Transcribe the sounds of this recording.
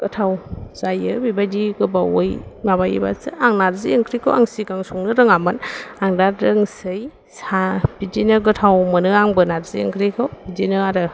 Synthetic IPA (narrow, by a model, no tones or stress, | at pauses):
ɡ̥ɯtʰawz̥ajɯbibajdiɡɯbaojmaβajḭba̰sɯ̰ʔaŋnaɾzieŋkʰɾikʰɯwa̰ŋsiɡaŋsɔŋnɯɾɯŋamɯnaŋdatɾɯŋsɯj | sab̥idinɯɡɯtʰawmɯnɯaŋbɯnaɾziḛŋkʰɾikʰɯwbidinɯaɾɯ